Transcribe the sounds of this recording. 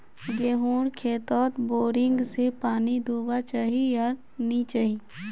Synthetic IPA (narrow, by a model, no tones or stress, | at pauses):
ɡeːɦuːɽkʰeːt̪ɔːt̪boːɾɪ̃ŋɡsepaːnid̪oːbat͡ʃaːɦijaɾ | nit͡ʃaːɦiː